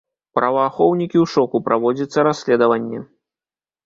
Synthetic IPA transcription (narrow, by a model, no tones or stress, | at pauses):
pɾʔɐvaːxɔwnʲikʲiwʂɔkupɾʔavɔd͡zʲɐt̪sːɐɾasʲlʲɛd̪ɐvɐnʲːɛ̰